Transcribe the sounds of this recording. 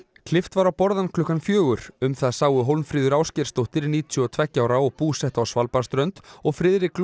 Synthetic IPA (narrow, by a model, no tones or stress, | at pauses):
kʰlɪft̪vaɾawpɔɾðankʰlʏhkːanfjœːɣʏɾ̥ʏmθaðsaːwʏɦowlnfɾiːðʏɾaːwscɪɾ̥st̪owht̪ɪɾniːt̪ʰʏɔt̪ʰvɛhcaːwɾaɔɣpuːsɛht̪awsvalpaɾ̥st̪ɾœɥnt̪ɔɣfɾɪðɾɪkl